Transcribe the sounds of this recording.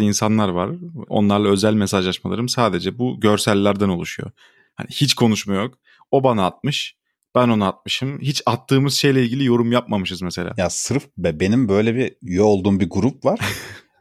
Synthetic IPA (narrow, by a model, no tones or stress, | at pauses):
insanlˠaɾvaɾo̞̰nlˠaɾlˠaø̞zælʲmesaʒlˠaʃmalˠa̰ɾɯmsaːd̪e̞d͡ʒɛbuɟø̞ɾsælʲːæɾd̪æno̞lˠuʃujo̰ | ha̰nihit͡ʃkʰo̞nuʃmajo̞k | o̞banaat̪̚mɯʃ | b̥æno̞naat̪̚mɯʃɯmhit͡ʃat̪ʰːɯːmɯzʃe̞jlʲɛilʲɟilʲijo̞ɾumjap̚mamɯʃɯzmɛse̞lʲa̰ːjasɯɾfbɛbe̞nimbø̞jlʲɛbijoːlˠd̪uːmbiɡuɾup̚vaɾ